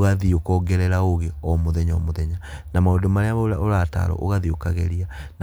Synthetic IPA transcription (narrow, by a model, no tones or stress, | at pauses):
ɣaðiokɔːɡɛɾɛɾaoɣeɔmoðɛɲɔmoðɛɲanamaondomaɾeaβaoɾaoɾata̰ɾɔ̰ʔoɣaðiokaɣeɾiana